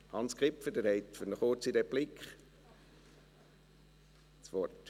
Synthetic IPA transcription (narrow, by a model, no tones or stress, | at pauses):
hɑnskʁɪpfədɛɾhɛɪtfʏnəχʊt͡sidɛb̥lɪkχ | sʋɔrt